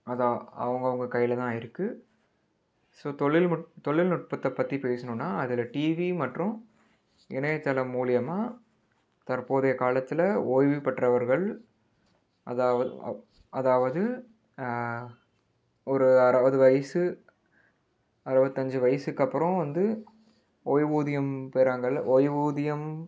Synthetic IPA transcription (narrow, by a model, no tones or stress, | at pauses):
ɐðaːɐ̰ʋɐŋɡɐʋɐŋɡɐkɐjːɪlɐt̪ãːɪɾɯkːɯ | soːt̪ɔɭːɪlmt̪ɔɭːɪlnʊʈ̚pɐt̪ːɐpːɐt̪ːipeːsɐnɯ̃nːaːɐðɪlɐʈiːʋimɐʈrʊ̃ | ɛnɛt̪ːɐlɐmuːɭɪjɐmaː | t̪ɐɾpoːðɐjɐkaːlɐt̪ːɪlɐoːjʋipɐʈːrɐʋɐɾɣɐɭ | ɐ̰ðaːʋɐ̰ | ɐðaːʋɐðɯ | ɔɾɯɐɾɐbɐðɯʋɐjɐsɯ | ɐɾɯbɐt̪ːɐɲd͡ʒɯʋɐjɐsɯkːɐpːɯɾɔ̃ʋɐnd̪ɯ | oːjʋuːðɪjɐmpeːɾaːŋɡɐɭoːjʋuːðɪjɐm